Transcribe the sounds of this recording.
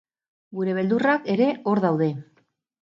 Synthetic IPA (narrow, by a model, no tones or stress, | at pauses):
ɡuɾe̞β̞e̞ld̪urake̞ɾe̞o̞ɾðawðe̞